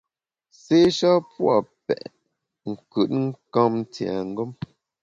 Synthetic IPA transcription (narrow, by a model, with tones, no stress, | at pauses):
se˦ʃɔ˦pwa̰˨pɛ̰˨ʔ | ŋ̩˨kʉ˨t̚ŋ̩˦kã˦mn̩˦ti˨a̰˨ŋ̩˦ɡɔ˦m